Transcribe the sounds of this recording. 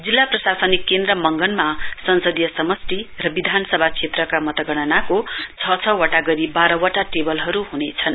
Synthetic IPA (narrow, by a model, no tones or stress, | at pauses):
d͡zilːaprʌsasʌnikːend̪rʌmʌŋɡʌnmasʌnsʌd̪jʌsʌmʌsʈirʌbid̪ʱanʌsʌbʱakt͡sʰet̪rʌkamʌt̪ʌɡʌɽ̃ʌnakot͡sʰʌt͡sʰʌwʌʈaɡʌɾibaɾʌwʌʈaʈebʌlɦʌɾuɦunet͡sʰʌn